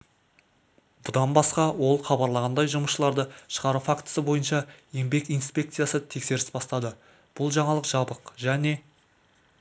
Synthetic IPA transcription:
bʊd̪ɑnbɑsqɑwo̞lˠχɑbɑɾlˠɑʁɑnd̪ɑjʒʊməsʃəlˠɑɾd̪əʃə̥ʁɑɾufakt̪ə̥səbo̞jənʃɑje̞mbe̞kijnspʲe̞k̚t̪sɨjasət̪ʰe̞kse̞ɾɪsbɑst̪ɑd̪ə | b̥ʊlˠʒɑɴɑlˠəqʒ̥ɑbəqʒæne̞

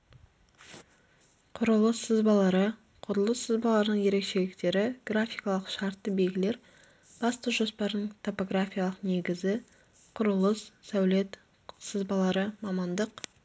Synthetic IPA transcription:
qʰʊɾəlˠəsəzbɑlˠɑɾə | qʰʊɾəlˠəsːəzbɑlˠɑɾənəɴje̞ɾe̞kʃe̞lɪkt̪e̞ɾɪɡ̥rafʲijkɑlˠəqʃɑɾt̪ːəbelɡʲɪle̞ɾ | b̥ɑst̪əʒo̞spɑɾd̪əɴt̪ʰo̞po̞ɡrafʲijalˠəqne̞ɡʲɪzɪ | qʰʊɾəlˠəssæwle̞t̪ | səzbɑlˠɑɾəmɑmɑnd̪əq

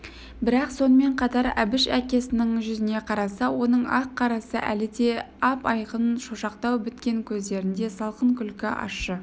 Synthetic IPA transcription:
bɪɾɑqso̞nəme̞ɴqʰɑt̪ɑɾæ̰bɪʃækʲe̞sɪnɪŋʒʏzɪne̞qʰɑɾɑsɑwo̞nəɴɑqʰːɑɾɑsə̰ʔælɪd̪e̞ | ɑpɑjqənʃoʃɑqt̪ɑwbʏt̪kʲe̞ŋkʲʰɵzd̪e̞ɾɪnd̪e̞sɑlˠqəɴkʲʰʏlkʲɪʔɑ̰ə

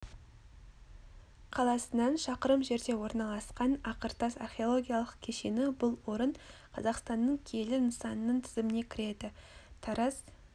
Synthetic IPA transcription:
qʰɑlˠɑsənɑnʃɑqəɾəmʒe̞ɾd̪e̞wo̞ɾnɑlˠɑsqɑnɑqəɾt̪ɑsa̰rχʲeo̞lˠo̞ɡʲijalˠəq̚kʲʰe̞ʃe̞nɪbʊlˠwo̞ɾəɴqʰɑzɑqst̪ɑnːəɴkʲʰe̞lɪnəsɑnənəɴt̪ʰɪ̥zɪmɪne̞kʲʰɪɾe̞d̪ɪt̪ʰɑɾɑs

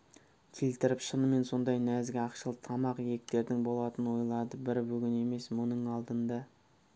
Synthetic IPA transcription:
kʲʰe̞lt̪ɪɾɪpʃənəme̞nso̞nd̪ɑjnæzɡʲɪɑqʃəlˠt̪ʰɑmɑqjek̚t̪e̞ɾd̪ɪŋbo̞lˠɑt̪ənəwo̞jlˠɑd̪əbɪɾbɵɡʲɪne̞me̞smʊnəɴɑlˠd̪ənd̪ɑ

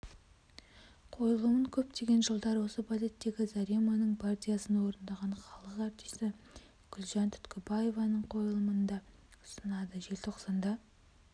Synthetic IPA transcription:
qʰo̞jəlˠəməɴkʲʰɵp̚t̪ʰe̞ɡʲe̞nʒəlˠd̪ɑɾwo̞səpʰalet̪ːe̞ɡʲɪzaɾimanəɴpʰart̪ʲijasənwo̞ɾənd̪ɑʁɑɴχɑlˠəqæɾt̪i̥sɪ | ɡ̥ʲʏlʒɑnt̪ʰʏ̥t̪kʲʰɪbaje̞vɑnəɴqʰo̞jəlˠəmənd̪ɑ | ʊ̥sənɑd̪əʒe̞lt̪ʰo̞qsɑnd̪ɑ

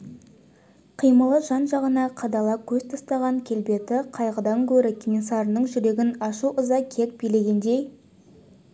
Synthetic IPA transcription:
qʰijməlˠəʒɑnʒɑʁənɑqʰɑd̪ɑlˠɑkʲʰɵzt̪ʰɑst̪ɑʁɑŋkʲʰe̞lbe̞t̪ɪqʰɑjʁəd̪ɑŋkʲʰɵɾɪkʲʰinʲisɑɾənəɴʒʏɾe̞ɡʲɪnɑʃuʔəzɑkʲʰe̞k̚bijle̞ɡʲe̞nd̪e̞j

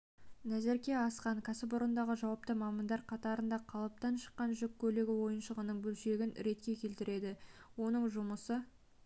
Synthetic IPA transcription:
næzeɾkʲe̞ɑsqɑɴkʰasɪpʊɾənd̪ɑʁəʒɑwɑpt̪əmɑmɑnd̪ɑɾqʰɑt̪ɑɾənd̪ɑqʰɑlˠɑp̚t̪ɑnʃə̥qːɑnʒʏkʲʰːɵleɡʲɪwo̞jənʃəʁənəɴbɵlʃeɡʲɪnɾe̞t̪kʲe̞kʲʰe̞lt̪ɪɾe̞d̪ɪwo̞nəɴʒʊməsə

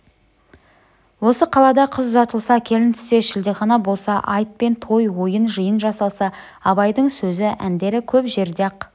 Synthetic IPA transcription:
wo̞səqʰɑlˠɑd̪ɑqʰəzʒɑt̪əlˠsɑkʲʰe̞lɪnt̪ʰʏ̥se̞ʃɪld̪eqɑnɑbo̞lˠsɑʔɑjt̪̚pe̞nt̪ʰo̞jwo̞jənʒəjənʒɑsɑlˠsɑ | ɑbɑjd̪əɴsɵzɪʔænd̪e̞ɾɪkʲʰɵpʒe̞ɾd̪eq

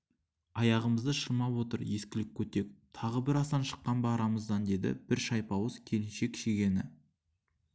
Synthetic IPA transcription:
ɑjɑʁəməzd̪əʃəɾmɑpwo̞t̪əɾje̞skʲɪlɪk̚ʲʰːɵt̪e̞kt̪ʰɑʁəbɪɾɑsd̪ɑnʃə̥qːɑnbɑɾɑməzd̪ɑnd̪e̞d̪ɪ̰b̥ɪɾʃɑjpɑwəzkʲʰe̞lɪnʃe̞kʲʃeɡʲe̞nɪ

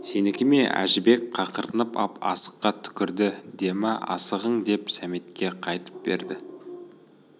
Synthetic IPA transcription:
se̞nɪkʲɪme̞æ̰ʒɪbe̞kqʰɑqəɾənəpɑ̰pɑ̰sə̥qːɑt̪ʰʏ̥kʲɪɾd̪ɪd̪e̞mɪ̰ʔɑ̰səʁəɴd̪e̞psæmet̪kʲe̞qʰɑjt̪ə̥p̚be̞̰ɾd̪ɪ

